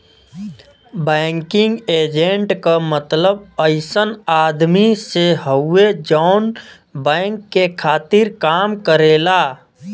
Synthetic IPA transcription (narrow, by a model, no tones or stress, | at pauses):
bɛŋkɪ̃ŋɡeːd͡ʒeɳʈkamət̪ləbəɪsənaːd̪miseɦəuːed͡ʒɔn | bɛ̃ɪŋkːekʰaːt̪ɪɾkaːmkəɾeːla